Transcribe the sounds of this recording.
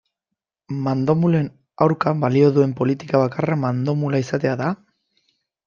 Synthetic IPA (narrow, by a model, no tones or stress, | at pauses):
mand̪o̞mule̞n | awɾkambalio̞ðue̞mpo̞lit̪ikaβakaramand̪o̞mulaisat̪e̞aða